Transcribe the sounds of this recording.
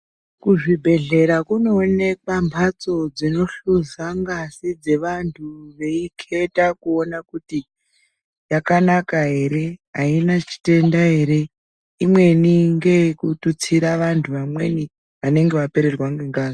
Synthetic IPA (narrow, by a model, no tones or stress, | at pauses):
kuʐibʱe̞ɮe̞ɾakunoːne̞kwambʰʱat͡so̞d͡zino̞ɬuzaŋɡasid͡ze̞ʋantʰuʋe̞ikʰe̞takuo̞nakuti | jakanakaɦe̞ɾe̞ɦainat͡ʃi̥te̞ndaɦe̞ɾe̞ | imwe̞niŋɡe̞kutut͡siɾaʋantʰuʋamwe̞̰ni | ʋane̞ŋɡeʋape̞ɾerwaŋɡeŋɡaːzi